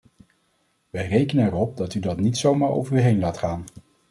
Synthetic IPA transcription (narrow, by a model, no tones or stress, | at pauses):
ʋəjrejkənənɛrɔp̚dɑtydɑtnitsowmaːɹo̰wvəɹyɦejnlaːtχaːn